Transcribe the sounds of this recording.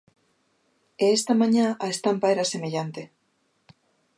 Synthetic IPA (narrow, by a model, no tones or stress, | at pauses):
eest̪amãɲaaest̪ampaeɾasemeʎant̪e